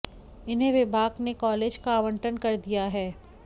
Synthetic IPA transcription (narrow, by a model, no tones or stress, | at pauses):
ɪnɦẽʋɪbʱaːɡnekɔːleːd͡ʒkaːʋə̃ɳʈənkɐɾd̪ijaɦɛː